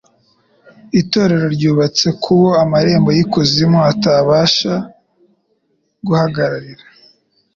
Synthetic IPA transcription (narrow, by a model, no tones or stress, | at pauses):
ito̞ːɾe̞ɾo̞ɾɟuːβat͡se̞kʰuβo̞amaɾe̞ːmbo̞jikuzimoataβaːʃa | ɡuhaɡaɾaɾiɾa